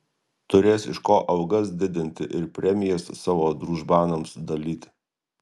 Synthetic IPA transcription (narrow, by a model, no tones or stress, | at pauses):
t̪ʊɾʲeːsɪʃkoːʔɐʊɡɐsd̪ʲɪd̪ʲɪnʲt̪ʲɪʔɪɾpʲɾʲɛmʲɪjɛssɑːʋoːd̪ɾuːʒbɑːnɐmsd̪ɐlʲiːt̪ʲ